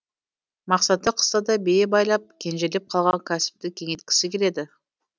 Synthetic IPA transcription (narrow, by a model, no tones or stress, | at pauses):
mɑqsɑt̪əqʰə̥st̪ɑd̪ɑbejebɑjlˠɑp̚kʲʰe̞nʒele̞p̚qʰɑlˠʁɑŋkʲʰæsɪ̥p̚t̪ɪkʲʰe̞ŋet̪̚kʲɪ̥sɪkʲʰele̞d̪ɪ